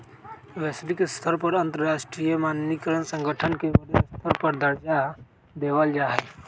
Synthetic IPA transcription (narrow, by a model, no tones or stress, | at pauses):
ʋɛːsɾɪkɪst̪ʰəɾpəɾɐ̃nt̪əɾɾaːʃʈɾijəmaːnnikəɾənsə̃ŋɡəʈʰənkebəɾest̪ʰəɾpəɾd̪əɾd͡ʒa | d̪eːʋəld͡ʒaːɦɛ